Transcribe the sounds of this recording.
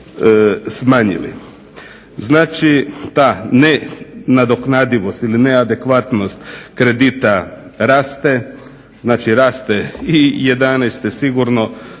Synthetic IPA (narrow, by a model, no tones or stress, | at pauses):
smaːɲḭlḭ | znaːt͡ʃit̪aːnenad̪o̞knad̪iʋo̞st̪ilinead̪e̞kʋat̪no̞st̪kɾe̞d̪it̪aɾaːst̪e | znaːt͡ʃiɾaːst̪eije̞d̪anɛst̪esiɡuɾno̞